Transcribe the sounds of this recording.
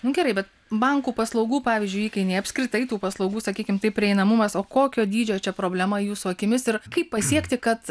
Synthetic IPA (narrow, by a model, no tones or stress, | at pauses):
nʊɡʲɛɾɐɪbʲɛt̪ | bɐŋkuːpɐslˠɐʊɡuːpɑːʋʲɪzʲd͡ʒʲʊɪjiːkʲɐɪnʲɛɪɐpʲsʲkɾʲɪt̪ɐɪt̪uːpɐslˠɒʊɡuːsɐkʲiːkʲɪmt̪ɐɪpʲɾʲɪɛɪnɐmʊmɐsoːkoːkʲoːd̪ʲiːd͡ʒʲoːt͡ʃʲɛpɾoːbʲlʲɛmɐjuːsʊɐkʲɪmʲɪsɪɾkɐɪppɐsʲiɛkt̪ʲɪkɐt̪